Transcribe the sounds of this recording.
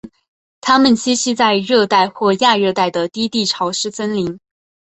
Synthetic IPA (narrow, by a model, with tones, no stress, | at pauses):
t̪ʰa˥mə˨nt͡ɕi˥ɕi˥˧t͡sa˥˧ɪɻɤ˥˧t̪a˥˧ɪxwɔ˥˧ja˥˧ɻɤ˥˧t̪a˥˩ɪd̪ə˩t̪i˥t̪i˥˩ʈ͡ʂʰɑ˧˥ʊʂɻ̩˥t͡sə˥nli˧˥ŋ